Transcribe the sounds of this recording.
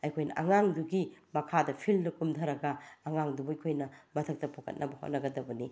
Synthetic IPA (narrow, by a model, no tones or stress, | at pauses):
ɐjkʰojnɐ̰ʔɐŋaŋduɡimɐkʰadɐpʰilnɐkumtʰɐɾɐɡɐːŋaŋdubɐjkʰojnɐmɐtʰɐk̚tɐpʰokʰɐ̰t̚nʔɐbɐho̰t̚nɐɡɐdɐbɐni